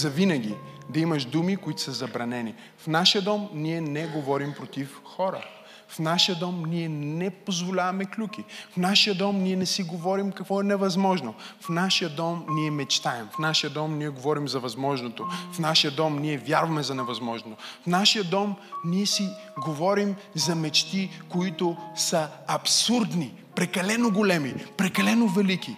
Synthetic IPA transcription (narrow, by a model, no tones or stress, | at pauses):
zɐvinəɡ̟ʲi | d̪ɐimɐʃd̪umikoit̪ʊ̥sɐzɐbɾɐnɛni | fnaʃijəd̪ɔmniɛnɛɡovɔɾimpɾot̪if | xɔɾə̰ | fnaʃijəd̪ɔmniɛnɛpozvolʲavɐmɛklʲukifnaʃijəd̪ɔmniɛnɛsiɡovɔɾimkɐkvɔɛnɛvɐzmɔʒnofnaʃijəd̪ɔmniɛmɛt͡ʃt̪aɛmfnaʃijəd̪ɔmniɛɡovɔɾimzɐvɐzmɔʒnot̪ofnaʃijəd̪ɔmniɛvʲjaɾvɐmɛzɐnɛvɐzmɔʒnoofnaʃijəd̪ɔmniɛsi | ɡovɔɾim | zɐmɛt͡ʃt̪ikoit̪ʊsɐɐpsuɾd̪ni | pɾɛkɐlɛnoɡolɛmipɾɛkɐlɛnovɛliki